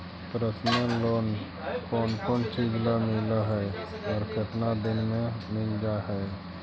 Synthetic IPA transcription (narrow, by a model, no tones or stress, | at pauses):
pɾət̪nəloːn | kɔːnkɔːnt͡ʃid͡ʒlamɪlaɦɛ | ɔːɾkʰɪt̪nad̪ɪnmẽmɪld͡ʒaɦɛ